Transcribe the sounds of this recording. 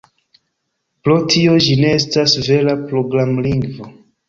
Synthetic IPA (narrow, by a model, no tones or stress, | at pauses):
pɾotʰio̞d͡ʒine̞estasve̞lapɾo̞ɡɾamliŋɡvo